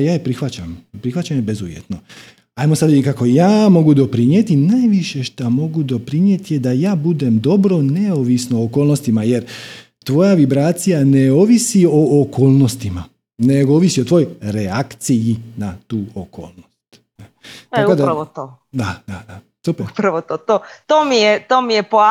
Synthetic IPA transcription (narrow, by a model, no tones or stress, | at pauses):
jaːjepɾixʋat͡ɕampɾixʋat͡ɕamjebezuʋjḛt̪no̞ | ajmosad̪ʋid̪ikako̞jaːmo̞ɡud̪o̞pɾinjet̪inajʋiʃe̞ʃt̪amo̞ɡud̪o̞pɾinje̞t̪ije̞d̪ajaːbud̪e̞md̪o̞bɾo̞ne̞oʋisnoːkoːlˠno̞st̪imaje̞ɾ | t̪ʋo̞jaʋibɾaːt̪sijane̞oːʋisio̞ːkʰoːlˠno̞st̪ima | neɡooːʋisio̞t̪ʋo̞joɾeakt̪sijinat̪uːoko̰ːlˠnost̪ | t̪akod̪aɾaʋot̪o | d̪ad̪ad̪a | supepɾaʋot̪ot̪ot̪oːmijet̪oːmijepo